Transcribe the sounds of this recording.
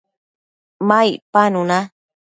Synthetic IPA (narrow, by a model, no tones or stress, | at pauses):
majpanuna